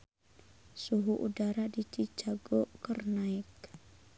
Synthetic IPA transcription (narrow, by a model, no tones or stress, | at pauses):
suɦuʔudaɾadit͡ʃid͡ʒaɡɔʔkərnaɪk